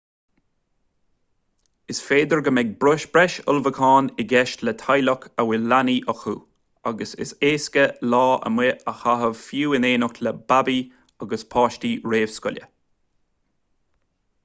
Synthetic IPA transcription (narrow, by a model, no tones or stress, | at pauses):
ɪsfeːd̪əɹɡəmɛɡ̚bɾʊʃb̥ɹɛʃʊ̰lvəkʰɑːnɪɡɛʃtlət̪ʰajlɔkʰəwɪlaniʔɔxuː | aɡəsɪ̰seːskəlɑːə̰mwɪəxaɦəvfjuːɪneːnʊkləbabi | aɡəspʰɑːʃtiɹeːv̥skʊlʲjə̰